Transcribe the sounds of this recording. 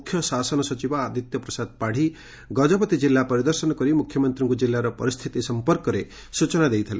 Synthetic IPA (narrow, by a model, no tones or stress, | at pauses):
kʰːjɔsasɔnɔsɔt͡ʃibɔad̪ʱit̪jɔpɾɔsad̪̚paɽ̤i | ɡɔd͡ʒɔpɔt̪id͡ʒilːapɔɾid̪ɔɾsɔnɔkɔɾimukʰjɔmɔnt̪ɾɔŋkud͡ʒilːaɾɔpɔ̰ɾist̪ʰit̪isɔmpɔɾkɔɾe | sut͡ʃɔnad̪ejt̪ʰalḛ